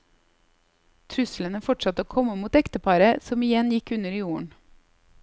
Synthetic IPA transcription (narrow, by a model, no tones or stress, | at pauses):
t̪ʰɾʉslənəfɔʈsɑt̪əoːkʰɔməmuːt̪ɛkt̪əpʰɑːɾəsɔmɪjɛnjɪkʉnəɾiːjuːəɳ